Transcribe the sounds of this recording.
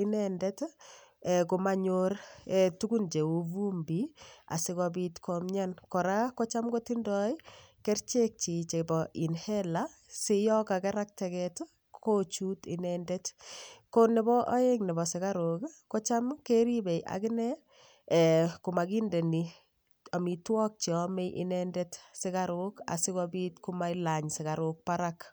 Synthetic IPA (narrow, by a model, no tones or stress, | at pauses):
inɛndɛt | ɛkumaɲoɾɛtuɡund͡ʒeuvumbia̰sɪɣɔbitkʰɔmɲankɔɾakot͡ʃamɡotindɔikeɾt͡ʃek̚t͡ʃit͡ʃebɔʔinhɛla | sijɔkakɛɾak̚tɛkɛt | kot͡ʃutḭnɛndetkonebɔʔaeŋnibɔsɪkaɾokkot͡ʃamkeɾibejʔa̰kɪnɛ | kumaɡindeni | amitwɔk̚t͡ʃiɔmejʔɪ̰nɛndetsɪkaɾoka̰sɪkɔbitkumailaɲsɪkaɾok̚paɾak